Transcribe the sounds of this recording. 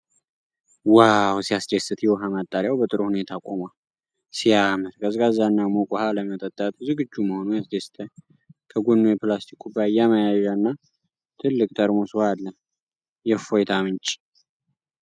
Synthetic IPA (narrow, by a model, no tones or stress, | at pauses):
wawsijasd͡ʒesɨt̪jɛwɦamat̪ʼːaɾjawbət̪ʼɨɾuhunet̪ʰakʼomal | sijamət̪kʰʼəzɡazːanːamokʼɔhaləmət̪ʼət̪ʼːat̪ʼzɨɡɨd͡ʒːuməho̞nujasd͡ʒest̪ʰə | kʰəɡunːojɛplast̪ʰikʰːubajaməjaʒaɨnːa | t̪ʰɨlːɨkʼt̪ʰʼəɾmosɨwaːən | jɛfojt̪ʰamɨnt͡ʃʼi̥